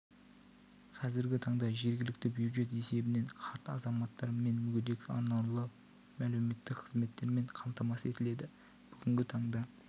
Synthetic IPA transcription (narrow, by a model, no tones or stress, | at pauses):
qʰɑzɪɾɡʲɪt̪ʰɑɴd̪ɑʒe̞ɾɡʲɪlɪk̚t̪ɪbjuʒe̞t̪e̞se̞bɪne̞ɴqʰɑɾt̪ɑzɑmɑt̪ːɑɾme̞nmʏɡʲed̪e̞kʲɑ̰nɑwlˠə | mælɪme̞t̪ːɪkqʰəzme̞t̪ːe̞ɾme̞ɴqʰɑmt̪ɑmɑse̞t̪ɪle̞d̪ɪ | b̥ʏɡʲɪŋɡʲɪt̪ʰɑɴd̪ɑ